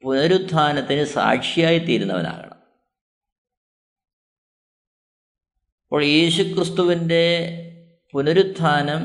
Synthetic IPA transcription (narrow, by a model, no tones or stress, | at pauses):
punɐɾud̪ʱːaːnɐt̪ːinɨsa̰ːkʂijaːjit̪iːɾunːɐʋɐ̰na̰ːɣɐ̰ɳɐ̰m | ɐpːo̞ːɭje̞ːɕukrɨst̪uʋinde̞ | punɐɾud̪ʱːaːnɐm